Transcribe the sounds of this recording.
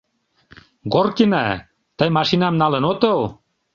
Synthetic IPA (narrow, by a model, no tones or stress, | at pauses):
ɡorkina | t̪əjmɑʃinɑmnɑlĕnot̪ow